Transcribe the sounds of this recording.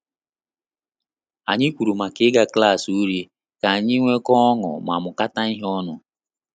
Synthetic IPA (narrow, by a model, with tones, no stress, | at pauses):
a˨ɲɪ˦kʷu˨ɾu˨ma˨kɪ˨˦ɡa˦kla˦˨su˦ɾi˦ | ka˨a˨ɲɪ˦ŋʷe˦kɔ˦ŋɔ̰˨m˨a̰˨mʊ˨ka˦ta˦ɪ˦ɦɔ˦nʊ˨